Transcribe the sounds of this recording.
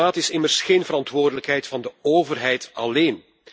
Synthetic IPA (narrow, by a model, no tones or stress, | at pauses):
aːtɪsɪmərsxeːnvəɾɑntʋoːrdələkɦɛjtfɑndəoːvərɦɛjtɑleːn